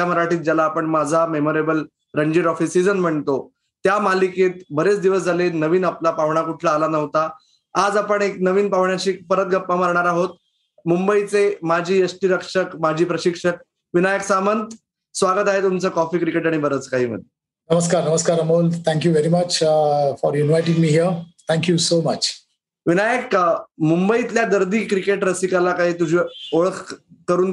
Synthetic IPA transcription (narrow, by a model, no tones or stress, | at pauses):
t̪jaməɾaʈiːt̪̚d͡ʑalaːpəɳmad͡zʱamemoɾebəl | ɾəɲd͡ʑiːɾɔfisid͡zənm̤əɳt̪o | t̪jamaliket̪̚bəɾet͡sd̪iʋəsd͡zʱalenəʋiːnaplapaʋɳakuʈʰlaːlanəʋt̪aː | d͡zapəɳek̚nəʋiːnpaʋɳjat͡ɕiːkpəɾət̪̚ɡʱəpːaməɾɳaɾaɦot̪ | mumbəit͡semad͡ʑʱiːəsʈiɾəkʂəkmad͡ʑʱiːpɾəɕikʂək̚ | ʋinajəksamənt̪ | sʋaɡət̪aɦet̪umt͡səkɔfiːkɾikeʈaɽ̃ibəɾət͡skaɦiːmə̰d̪ʱːe | nəməskaɾnəməskaɾəmolt̪ʰæ̃ŋk̬juʋeɾimət͡ɕfɔɾunʋajʈĩŋmiːɦiəɾt̪ʰæ̃ŋkjusomət͡ɕ | ʋinajəkmumbəit̪ljad̪əɾd̪ʱiːkɾikeʈɾəsikalakaɦiːt̪ud͡ʑʱiːoɭəkʰkəɾuːn